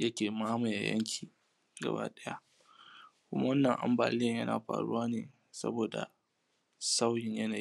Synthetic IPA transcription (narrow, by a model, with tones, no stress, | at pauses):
jɐ˦kʲeː˨maː˦mʊ˨ja˨jɐ̰˦ŋkʲʰiː˨ | ɡɐ̰˨ba̰ː˦ɗɐ˦ja˦ʔ | kʷʊ˦ma˦wɐ˦nːɐ˨ŋʔa˨mbaː˨lɪ˦˨jɐ˦na̰ː˨ɸa̰ː˨ɽʊ̰˦waː˦neː˨ | sɐ̰˦boː˨da̰˨ | sa˦wjɪ˨ɲjɐ˦na˨ji˦